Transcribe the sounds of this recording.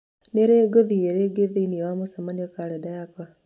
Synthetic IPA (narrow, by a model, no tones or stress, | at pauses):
neɾeːɡoðieɾeːɡeðeiniewamosamaniokaledajaka